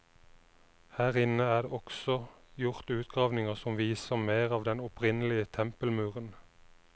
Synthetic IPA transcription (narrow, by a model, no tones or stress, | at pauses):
hæːʁɪnəæːd̪eʔɔksɔ | jʊʁt̪ʉːt̪̚ɡ̥ʁɑːʋnɪŋəʁsɔmʋiːsəʁmeːʁɑːʋd̪ɛnɔpʰʁɪnəlɪət̪ʰɛmpəlmʉːʁən